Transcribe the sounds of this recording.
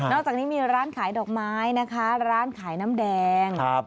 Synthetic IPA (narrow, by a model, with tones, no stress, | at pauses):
nɔː˥˩k̚t͡ɕaː˨˩k̚niː˦˥miː˧ɾaː˦˥˩nkʰaː˩˦jdɔː˨˩k̚maː˦˥jna˦˥kʰa˦˥ɾaː˦˥˩nkʰaː˩˦jna˦˥mdɛː˧ŋ˦p̚